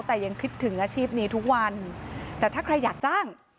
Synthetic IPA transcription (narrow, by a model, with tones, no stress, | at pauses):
wt̪ɛː˨˩ja˧ŋkʰɯ˦˥t̪ʰːɯ˩˦ŋʔaː˧t͡ɕʰiː˥˩p̚niː˦˥t̪ʰu˦˥k̚wa˧nt̪ɛː˨˩t̪ʰaː˥˩kʰɾa˧jːaː˨˩k̚t͡ɕaː˥˩ŋ